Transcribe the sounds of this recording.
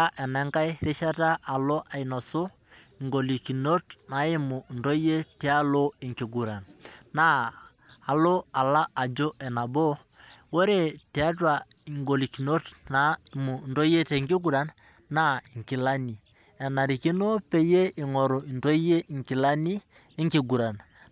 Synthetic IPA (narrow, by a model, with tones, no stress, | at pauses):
a˦ʔɛ˨nɛ˨˦ŋka˦jɾe˦ʃa˦ta˦ʔa˨lo˦ʔa˨i˨nɔ˨so˦˨ | ŋɡo˨li˨ki˨no˦tna˨˦ɪ˦mʊ˨ndo˦je˦tɛ˨˦a˦lo˦i˨ŋki˨ɡu˨ɾa˨nːa˦ | a˨lo˦a˨la˦a˨d͡ʒo˦ʔɛ˨na˨bo˦ | wo˦ɾe˦˨tɛ˨a˦twa˨ | i˨ŋɡo˨li˨ki˨no˦tna˨˦˨mu˨ndo˦je˦te˨ŋɡɪ˦ɡu˦ɾa˨nː | a˦i˨ŋkɪ˨la˦ni˨ | ɛ˨na˨ɾi˨ki˦no˦pe˦je˦i˨ŋɔ˨ɾo˨i˨nto˦je˦˨ŋki˨la˦ni˦ | ɪ˦ŋki˨ɡu˨ɾa˨n